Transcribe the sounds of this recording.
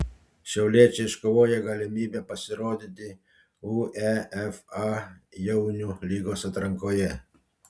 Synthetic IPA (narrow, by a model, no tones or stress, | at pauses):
ʃʲɛwlʲeːt͡ʃɛʃkɔʋoːjɛɡɐlʲɛmʲiːbʲɛpɐsʲɪɾoːd̪ʲɪt̪ʲɪ | uɛɛfajɛwnʲulʲiːɡɔsɐt̪ɾɐŋkɔjɛ